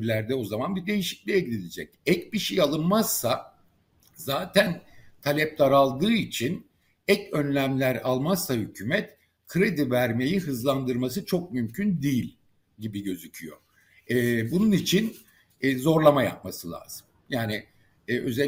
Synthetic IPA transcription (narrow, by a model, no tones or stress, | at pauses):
ɾlʲæɾd̪ɛo̞zamanbid̪e̞jiʃi̥clʲijeɟid̪ʲilʲed͡ʒɛcɛcbiʃejalˠɯnmaz̥ːa | zaːt̪ʰænt̪ʰalʲɛp̚t̪ʰaɾalˠd̪ɯːit͡ʃʰin | ɛcø̞nlʲæmlʲæɾalˠmazsahycʰyːmɛt̪ | kʰɾed̪ivæɾme̞jiɦɯzlˠand̪ɯɾmasɯt͡ʃʰo̞k̚mymcʰynd̪ijilʲ | ɟibiɟø̞zycʰyjo̞̰ | ɛːbununit͡ʃʰinː | zo̞ɾlˠamaja̰p̚masɯlʲˠa̰ːz̥ɯm | jaːniː | ʔø̞zɛ